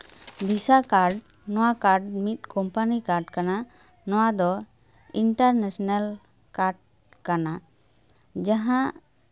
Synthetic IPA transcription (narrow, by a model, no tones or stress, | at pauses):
bʱisakaɾɖ | nɔwakaɾɖmit̪̚kɔmpanikaɾɖkana | nɔwad̪ɔ | iɳʈaɾnesɔnal | kaɾɖ̚ | kana | d͡ʒaɦãʔ